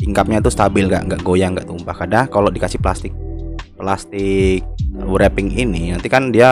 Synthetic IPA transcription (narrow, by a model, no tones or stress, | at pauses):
iŋkap̚ɲat̪ust̪abɪlŋɡa̰ʔŋɡaʔɡojaŋɡa̰ʔt̪umpahkadakalodikasɪhplast̪ɪk̚plast̪ɪk̚wuɾɛpɪŋininant̪ikandia